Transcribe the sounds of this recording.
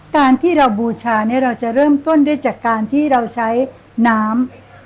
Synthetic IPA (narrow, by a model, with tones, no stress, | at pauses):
kaː˧nt̪ʰiː˥˩ɾa˧wbuː˧t͡ɕʰaː˧ni˦˥ɐɾa˧wt͡ɕa˨˩ɾɤː˥˩mt̪o˥˩nda˥˩˨jt͡ɕaː˨˩kːaː˧nt̪ʰiː˥˩ɾa˧wt͡ɕʰa˦˥j | naː˦˥m